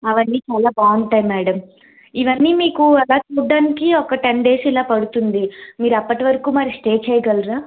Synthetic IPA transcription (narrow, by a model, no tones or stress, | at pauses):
ɐʋɐnːiːt͡ʃaːlaːbaːuɳʈɐjmːæːɽɐm | iʋɐnːiːmiːkuɐlaːt͡ʃuːɖːaːnikiɔkɐʈeɳɖe̞ːsilaːpɐɽut̪und̪imiːɾuɐpːɐʈiʋɐɾɐkuːmɐɾisʈe̞ːt͡ʃɛjɐɡɐlɾaː